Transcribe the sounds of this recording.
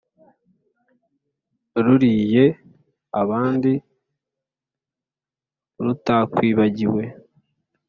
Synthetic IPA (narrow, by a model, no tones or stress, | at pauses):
ɾuɾije̞ | aβaːndi | ɾutakwiːβaɟiwe̞